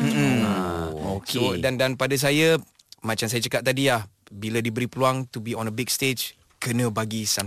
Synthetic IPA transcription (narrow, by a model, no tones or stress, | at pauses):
m̩m̩ | okodandanpadas̬aja | mãt͡ʃams̬ajat͡ʃəkat̪̚t̪adilah | biladibəɾipəluaŋt̪ubiɔ̃nəbiɡst̪ed͡ʒ | kənə̃baɡisa